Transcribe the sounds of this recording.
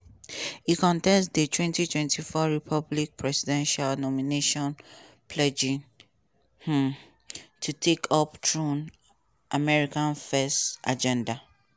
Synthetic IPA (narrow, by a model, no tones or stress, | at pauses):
ikɔ̃ntɛ̃nsdətʰwɛ̃ntitʰwɛ̃ntʰifɔɹipʰɔblik̚pʰɹɛsidɛ̃nʃalnɔmineʃɔ̃n | pʰlɛd͡ʒĩŋ | h̩ | tʰutʰekʰɔptʰɹũn | ʔamɛɹikãnfɛsta̰d͡ʒɛ̃nda